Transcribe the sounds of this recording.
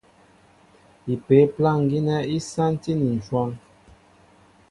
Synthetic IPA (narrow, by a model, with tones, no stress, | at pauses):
i˨pe˨˦pla˦˨ŋ˨ɡi˦nɛ˦i˦sa˦n˦ti˦ni˨n˨t͡ʃwɔ˦n